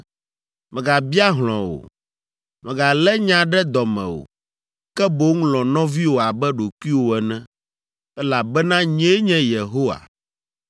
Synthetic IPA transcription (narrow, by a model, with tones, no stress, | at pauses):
mɛ̃˨ɡa˨bi˦a˦ɦl̃ɔ̰̃˨wo̰˨ | mɛ̃˨ɡa˨lɛ˦ɲã˨ɖɛ˦d̪ɔ˨mɛ̰̃˨wo̰˨ | kɛ˦bo˦ŋũ˦lɔ̃˨nɔ̃˦vi˦wo˨a˨bɛ˦ɖo˨kʷwi˦wo˨ɛ˨nɛ̃˦ | ɛ˦la˨bɛ˦nã˦ɲɛ̃˦ɲɛ̃˦je˨ɦo˦wa̰˨